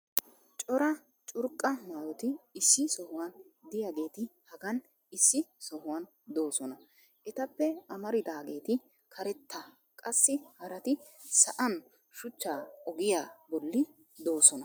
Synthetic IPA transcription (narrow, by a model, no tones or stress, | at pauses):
t͡ʃʼɔɾɐ | t͡ʃʼʊɾkʼːɐmaːwɔt̪ɪːsːɪsɔhʊwɐnd̪ɪjaːɡe̞ːt̪ɪhɐɡɐn | ɪsːɪsɔhʊwɐn | d̪o̞ːsɔnɐ | ʔɛt̪ɐpːɛɐmɐɾɪd̪aːɡe̞ːt̪ɪ | kʰɐɾɛt̪ːɐ | kʼɐsːɪhɐɾɐt̪ɪ | sɐʔɐn | ʃʊt͡ʃːaːɔɡɪjaːbɔlːɪ | d̪o̞ːsɔnɐ